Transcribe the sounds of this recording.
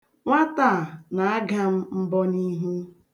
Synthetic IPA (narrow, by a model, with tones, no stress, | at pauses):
ŋʷa˦ta˦˨na˨a˦ɡa˦m̩˦m̩˦bɔ˦ni˦ɦu˦